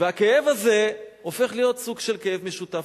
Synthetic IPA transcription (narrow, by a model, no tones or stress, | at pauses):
veakeevaze̞ofe̞χlijo̞t̪suɡʃelkejevmeʃut̪a